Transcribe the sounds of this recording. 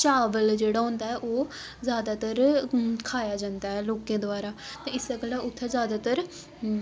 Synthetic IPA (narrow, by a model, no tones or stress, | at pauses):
t͡ʃaːʋəld͡ʒeːɽaːɦõːnd̪aːɛːʔoː | zjaːd̪aːt̪əɾkʰaːjaːd͡ʒãːnd̪aːɦɛːloːkẽːd̪ʊaːɾaːt̪ãːɪsəɡlaːʊt̪ʰːɛːzjaːd̪aːt̪əɾ